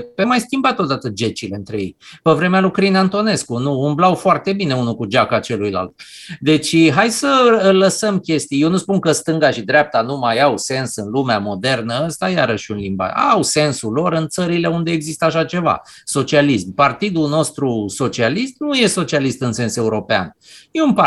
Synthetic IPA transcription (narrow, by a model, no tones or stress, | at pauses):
pemajskʲimbat̪ːot̪d̪at̪əd͡ʒe̞t͡ʃile̞ɨnt̪ɾe̞je̞jpevɾe̞mealujkɾinant̪o̞ne̞skunuːmblawfoart̪e̞bine̞unukud͡ʒakat͡ʃe̞lujla̰lt̪̚d̪e̞t͡ʃʲɦajsələsəmkʲe̞st̪ijewnuspunkəst̪ɨŋɡaʃid̪ɾʲap̚t̪anumajawse̞nsɨnlumeamo̞d̪e̞rnəəst̪ajaɾəʃunlimba̰awse̞nsulo̞ɾɨnt̪səɾile̞und̪e̞ːɡzist̪əaʃat͡ʃe̞va̰ | so̞t͡ʃialismpart̪id̪uno̞st̪ɾuso̞t͡ʃialist̪nuje̞so̞t͡ʃialist̪ɨnse̞nse̞uɾo̞pea̰n | jeumpa